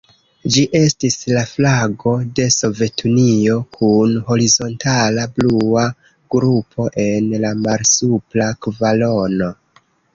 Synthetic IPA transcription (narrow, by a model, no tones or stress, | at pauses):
d͡ʒiʔe̞stislaflaɡo̞de̞so̞ve̞tʰunio̞kʰunɦo̞ɾizo̞ntalablua | ɡ̥ɾupʰo̞ʔe̞nlamaɾsuplakvalo̞no̞